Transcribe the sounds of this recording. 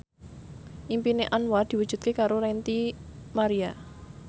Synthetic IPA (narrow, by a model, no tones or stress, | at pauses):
ʔimpineʔanwad̪̥i̤wu̥ʒ̥ṳt̪̚kekaɾoɾɛnt̪imaɾia